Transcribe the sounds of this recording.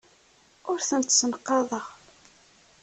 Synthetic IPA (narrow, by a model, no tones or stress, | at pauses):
ʊɾθənt̪sənqːɑðˤəʁ